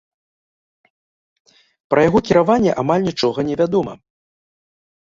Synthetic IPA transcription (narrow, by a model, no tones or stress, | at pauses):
pɾɐjaɣɔkʲiɾavanʲːɛʔamalʲnʲit͡ʂɔɣɐnʲɛvʲad̪ɔmɐ̰